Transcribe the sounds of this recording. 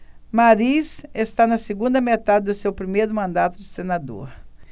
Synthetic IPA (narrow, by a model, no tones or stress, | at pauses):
maɾisest̪anɐseɡũnd̪ɐmet̪ad̪ɪd̪ʊsewpɾimejɾʊmɐ̃nd̪at̪ʊd̪ʊsenad̪o̰ɾ